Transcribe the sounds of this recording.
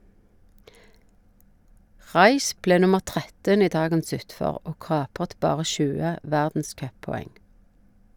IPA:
ˈʁɑɪʃ ˈpleː ˈnʊməʁ ˈtʁɛtən ˈiː ˈdɑːɡəns ˈʉtfɔʁ ˈoː ˈkɑːpʁət ˈbɑːʁə ˈʃʉːə ˈʋæʁdn̩ˌskœpɔˌɛŋ

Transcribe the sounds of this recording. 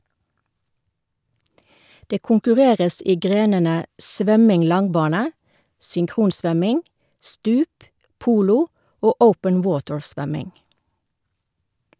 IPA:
ˈdeː kʊŋkʉˈʁeːʁəs ˈiː ˈɡʁeːnənə ˈsʋœmɪŋ ˈlɑŋˌbɑːnə sʏŋˈkʁuːnˌsʋœmɪŋ ˈstʉːp ˈpuːlʊ ˈoː ˈəʊpən ˈwoːtɹˌsʋœmɪŋ

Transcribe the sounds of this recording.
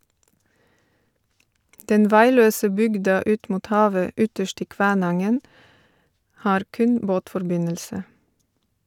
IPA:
ˈdɛn ˈʋæɪˌløːsə ˈbʏɡdɑ ˈʉːt ˈmuːt ˈhɑːʋə ˈʏtəʃt ˈiː ˈkʋæːˌnɑŋən ˈhɑːɾ ˈkʉn ˈboːtfɔɾˌbɪnəlsə

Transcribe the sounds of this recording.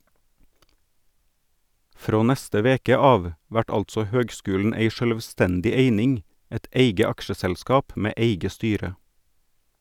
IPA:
ˈfɾoː ˈnæstə ˈʋeːkə ˈɑːʋ ˈʋæʈ ˈɑltsɔ ˈhøːɡˌskʉːln̩ ˈeɪ ʃœlʋˈstɛndɪ ˈeɪnɪŋ ˈɛt ˈeɪɡə ˈɑkʃəsɛlˌskɑːp ˈmeː ˈʔeɪɡə ˈstyːɾə

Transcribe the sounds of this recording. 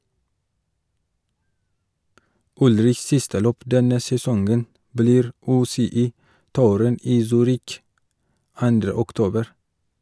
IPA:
ˈʊlɾɪçs ˈsɪstə ˈløːp ˈdɛnə sɛˈsɔŋɡən bəˈliːɾ ˈʉːsɛˌiːˌtuːɾən ˈiː ˈsyːɾɪk ˈɑndɾə ʊkˈtoːbəɾ

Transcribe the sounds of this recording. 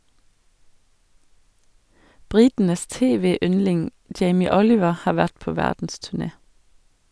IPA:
ˈbɾɪtn̩əs ˈteːˌʋeːˌʏnlɪŋ ˈd͡ʒeɪmɪ ˈɔlɪʋə ˈhɑːɾ ˈʋæʈ ˈpoː ˈʋædn̩stʉˌɳeː

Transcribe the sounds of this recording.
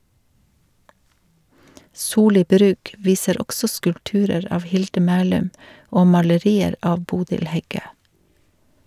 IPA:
ˈsuːˌliː ˈbɾʉːk ˈʋiːsəɾ ˈɔɡsɔ skʉlpˈtʉːɾəɾ ˈɑːʋ ˈhɪldə ˈmæːlʉm ˈoː mɑləˈɾiːəɾ ˈɑːʋ ˈbuːdɪl ˈhɛˌɡøː

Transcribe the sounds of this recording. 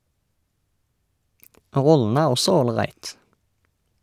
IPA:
ˈʁɔləə ˈæːʁ ˈɔsɔ oːlˈʁæɪt

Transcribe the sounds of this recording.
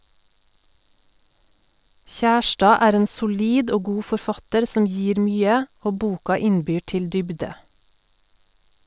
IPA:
ˈçæˌʃʈɑː ˈæːɾ ˈeːn sʊˈliːd ˈoː ˈɡuː fɔɾˈfɑtəɾ ˈsɔm ˈjiːɾ ˈmyːə ˈoː ˈbuːkɑ ˈɪnˌbyː ˈʈɪl ˈdʏbdə

